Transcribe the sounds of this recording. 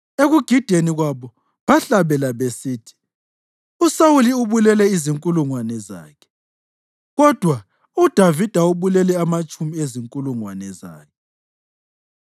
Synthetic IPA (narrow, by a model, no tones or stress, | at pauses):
eɣuɡ̥ʱid̥ʱeniɣwaβɔ | βaɬaβɛlaβesiːtʰi̥ | usawuliuβulɛlɛiziŋkʼuluŋwanɛza̰ːkʰɛ̥ | ɣɔd̥ʱwa | ud̥ʱavid̥ʱauβulɛlɛamat͡ʃʼumieziŋkʼuluŋwanɛza̰ːkʰɛ